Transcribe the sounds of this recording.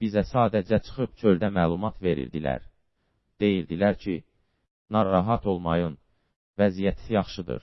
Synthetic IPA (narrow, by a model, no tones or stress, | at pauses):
b̥izæsɑːd̪æd͡ʒæt͡ʃʰɯ̥xɯpt͡ʃʰøld̪æmæːlˠumɑt̪ve̞ɾḭɾd̪ḭlæ̰ɾ | d̪̥e̞jiɾd̪ilæɾcʰi | nɑɾɑɦɑt̪ʰo̞lˠmɑjɯn | væzijæt̪sijɑχʃɯd̪ɯ̰ɾ